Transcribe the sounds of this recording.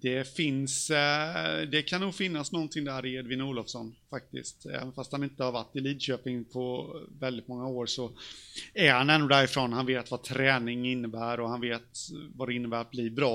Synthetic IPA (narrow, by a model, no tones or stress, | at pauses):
d̪̥ɛfɪns | d̪ɛkʰanːuːɡfɪnːasnɔnt̪ʰɪŋd̪æːɾɪɛd̪vɪnːuːlɔvsɔnfak̚t̪ɪ̰skt̪ɛ̰ːvənfast̪hanɪnt̪əhaɾvaʈːɪliːd̪ɕøːpɪŋpʰɔvɛld̪ɪt̪̚mɔŋːaoːɾʂɔ | æɾhanɛndːʊd̪æːɾɪfɾonhanveːt̪vat̪ʰɾɛːnɪŋɪnːəbæːɾɔhanveːt̪vad̪ɛɪnːəbæːɾat̪̚bliːbɾɑː